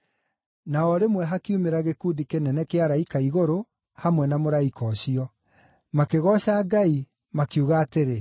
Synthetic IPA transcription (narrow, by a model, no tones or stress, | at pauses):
naɔɾemwɛɦakiumeɾaɣekudikenɛnɛkeaɾaikaiɣoɾo | hamwɛnamoɾaikɔɕiɔ | makeɣɔɕaːɡai | makjuɣaːteɾe